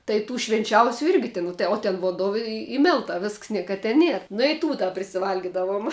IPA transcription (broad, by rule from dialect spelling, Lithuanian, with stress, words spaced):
tɐɪ ˈtuː ʃʲʋʲɪnʲˈt͡ʃʲɛʊsʲʊ ˈɪrʲɡʲɪ tʲɪn oː tʲɛn ʋoːnˈdoː ɪ ɪ ˈmʲɪlˠtɑː ˈʋʲɪsks ˈnʲiɛkɐ tʲɛ ˈnʲiɛr nʊ ɪ ˈtuː dɐ pʲrʲɪsʲɪˈʋɐlʲɡʲɪdɐʋoːm